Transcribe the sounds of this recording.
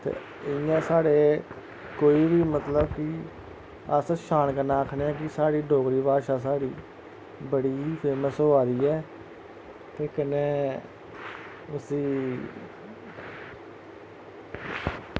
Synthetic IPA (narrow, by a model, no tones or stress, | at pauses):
t̪ḛː | ɪjãːsaːɽeː | koːiːbiːmət̪ləbkɪ | əsʃaːnkəɾnaːkʰneːɛ̃ːk̬ɪsaːɽiːɖʱoːkɾiːbaːʃaːs̬aːɽiː | bəɽiːpʰeːməsɦoːaːɾiːɛː | t̪eːkəneː | ʊsĩː